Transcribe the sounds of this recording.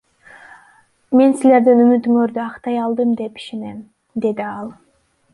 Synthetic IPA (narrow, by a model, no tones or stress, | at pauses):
me̞nsile̞ɾd̪inymyt̪yŋøɾd̪yɑqt̪ɑjɑlˠd̪ɯmd̪e̞pi̥ʃene̞m | d̪e̞d̪iɑlˠ